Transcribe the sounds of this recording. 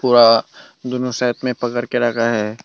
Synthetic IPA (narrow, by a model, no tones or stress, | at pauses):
puːɾa | d̪ʊnosɛːət̪mẽpɐkəɾkeɾaːkaɦɛː